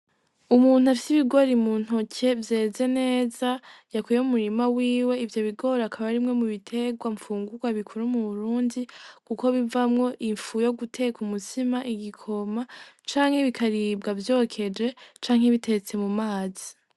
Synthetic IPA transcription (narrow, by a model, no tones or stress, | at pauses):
umuːn̥uafi̥siβiɡo̞ɾimun̥ho̞cʰe̞vje̞ze̞ne̞ːzajakujeumuɾimawiːwe̞ivjo̞βiɡo̞ɾakʰaβaɾimŋe̞muβitʰe̞ɡwaɱfuːŋɡuɡwaβikʰuɾumuβuɾuːndikuko̞βivamŋo̞ʔiɱfujo̞ɡutʰe̞kumutimaʔiɡikʰo̞mat͡ʃaːŋhe̞βikaɾiːb̚ɡavjo̞kʰe̞d͡ʒe̞t͡ʃaːŋ̥he̞βite̞t͡se̞mumaːzi